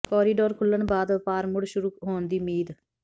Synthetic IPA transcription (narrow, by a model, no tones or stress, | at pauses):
kɔːɾiːɖoːɾkʰʊlːəɳbaːd̪paːɾmʊɽʃʊɾuːɦoːnd̪iːmiːd̪